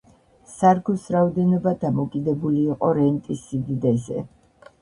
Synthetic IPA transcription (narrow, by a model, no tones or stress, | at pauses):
saɾɡusɾaɔd̪ɛnɔbad̪amɔkʼid̪ɛbuliːqʼɔɾɛnt̪ʼisːid̪id̪ɛzɛ̰